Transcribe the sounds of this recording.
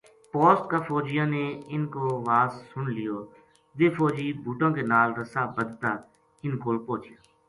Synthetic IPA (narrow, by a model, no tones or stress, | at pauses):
pɔːsʈkafoːd͡ʒɪjãːneːɪnkoːʋaːsːʊnlɪjoː | ʋeːfɔːd͡ʒiːbʱuːʈõːkeːnaːlɾəsaːbəd̪t̪aː | ɪnkoːlpoːt͡ʃɪjaː